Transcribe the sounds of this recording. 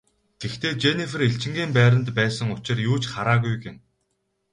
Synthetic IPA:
t̪ʰext̪ʰeːt͡ɕenifɘ̆reɬt͡ɕɪ̆ŋɡʲiːmpæːɾə̆nt̪pæːsə̆ŋʊt͡ɕɪ̆rjuːt͡ɕχaɾaːɣujɡɪ̆m

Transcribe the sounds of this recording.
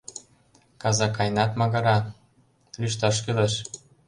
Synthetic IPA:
kɑzɑkːɑjnɑt̪mɑɣɤ̆ɾɑ | lyʃ̬t̪ɑʃ̬kylɤʃ

